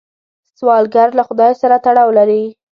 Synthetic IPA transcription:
swɑlɡaɾlaxʊd̪ɑjsaɾat̪aɽɑwlaɾi

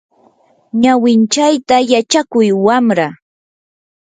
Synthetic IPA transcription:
ɲawɪnt͡ʃajt̪ajat͡ʃakʊjwamɾa

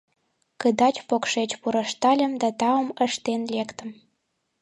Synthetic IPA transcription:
kəd̪ɑt͡ɕpokʃet͡ɕpuɾəʃt̪ɑlʲə̆md̪ɑt̪ɑəməʃt̪enlekt̪ə̆m

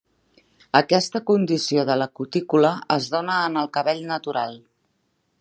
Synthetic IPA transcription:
əkɛst̪əkund̪isioðələkut̪ikuləəzðonəːnəlˠkəβɛʎnət̪uɾalˠ

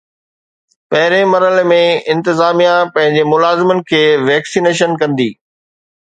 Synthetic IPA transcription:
pɐɦɪɾẽmɐɾəlmẽɪ̃nt̪ɪzaːmijãpɐ̃ɦɪ̃ɲd͡ʑemʊlaːzɪmənɪ̆kʰeːʋɛːksiːneːʃ̬ənkɐ̃nd̪iː

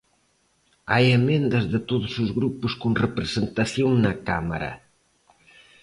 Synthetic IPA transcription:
ajemẽnd̪ɐzðɪt̪oðʊsʊzɣɾupʊskoŋrepɾesent̪ɐθjoŋnɐka̰mɐ̰ɾɐ̰

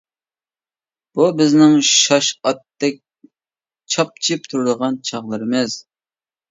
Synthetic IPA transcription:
b̥ubɪznɪŋʃɑʃɑt̪ːɛk̚ʲ | t͡ʃʰɑp̚t͡ʃʰip̚t̪ʰuɾɨd̪əʁɑnt͡ʃʰɑʁlˠɨɾɨmɪz̥

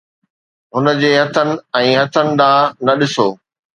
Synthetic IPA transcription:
ɦʊnə̆d͡ʑeːɦɐt̪ʰənɪ̆ɛ̃ːɦɐt̪ʰənɪ̆d̪aːnɐɗɪsoː

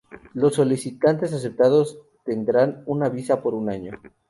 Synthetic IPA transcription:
lo̞sːo̞lisit̪ant̪e̞s̬as̬e̞p̚t̪aðo̞s | t̪e̞nd̪ɾanunaβisapo̞ɾunaɲo̞

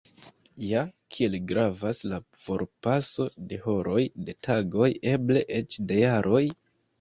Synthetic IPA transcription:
jakʰie̞lɡɾavaslafo̞ɾpaso̞de̞ho̞ɾo̞jde̞tʰaɡo̞je̞ble̞ʔe̞t͡ʃdejaɾʔo̞j

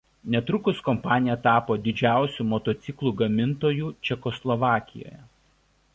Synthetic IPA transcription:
nʲɛt̪ɾʊkʊskɔmpɑːnʲɪjɛt̪ɑːpoːd̪ʲɪd͡ʒʲæˑʊsʲuːmɔt̪oːt̪sʲɪklˠuːɡɐmʲɪnt̪oːjuːt͡ʃʲɛkɔslˠɔʋɑːkʲɪ̰jo̰ːjɛ

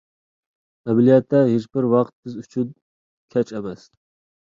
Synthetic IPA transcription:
ɛmlijɛt̪ʰːɛɦet͡ʃbɪɾwɑqt̪̚bɪzyt͡ʃʰyd̪ | kʲʰɛt͡ʃʰɛmɛs

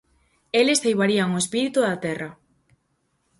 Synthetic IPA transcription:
elesθejβaɾiaŋoespiɾit̪uðat̪ɛrɐ

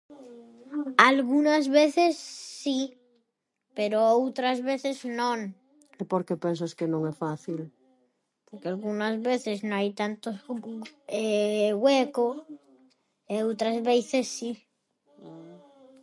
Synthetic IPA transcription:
alɣunazβeθesːi | peɾoowt̪ɾazβeθeznõŋ | epoɾkepens̬askenõŋɛfaθil | poɾkealɣunazβeθeznõŋajt̪ant̪os | eɣweko | eowt̪ɾazβeθesːi

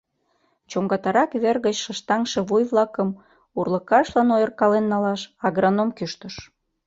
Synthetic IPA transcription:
t͡ɕoŋɡɑt̪ɑɾɑkβerɣət͡ɕʃə̆ʃt̪ɑŋʃĕβujβlɑkəm | urləkɑʃlɑnojərkɑlenːɑlɑʃɑɣɾɑnomkyʃt̪əʃ

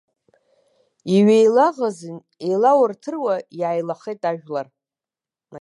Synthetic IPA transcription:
iɥejlaʁazɨn | ejlawartʰɨrwajaːjlaχejtʼaʒᶣlar | na

